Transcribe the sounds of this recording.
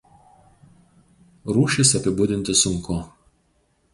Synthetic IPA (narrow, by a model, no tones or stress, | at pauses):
ɾuːʃʲɪsɐpʲɪbʊd̪ʲɪnʲt̪ʲɪsʊŋˑko